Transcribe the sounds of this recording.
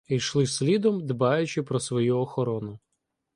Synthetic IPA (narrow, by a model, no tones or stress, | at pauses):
ijʃlˠɪsʲlʲid̪ɔmd̪bɑjʊt͡ʃɪpɾɔsʋɔjuɔxɔɾɔnʊ